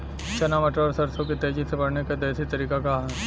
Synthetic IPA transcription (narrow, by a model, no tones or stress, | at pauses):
t͡ʃɐnaːmɐʈɾɔːɾsɐɾsõkit̪eːd͡ʒisebɐɽnekad̪eːsit̪ɐɾiːkakaɦɛ̃